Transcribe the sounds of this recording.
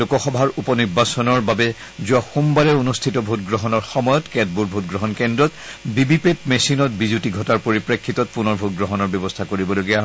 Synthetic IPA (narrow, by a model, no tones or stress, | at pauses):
lokɔxɔbʱaɹupɔniɹbasɔnɔɹbabɛ | zuaxumbalɛonustʰitɔbʱutɡɹɔɦɔnɔɹxɔmɔjɔtkɛt̚buɹbʱutɡɹɔɦɔnkɛndɹɔtbibipetmesinɔt̚bizutiɡʱɔtaɹpoɹipɹekʰːitɔt̚punɔɹbʱut̚ɡɹɔɦɔnɔɹbɔbɔstʰakoɹibɔloɡiaɦɔ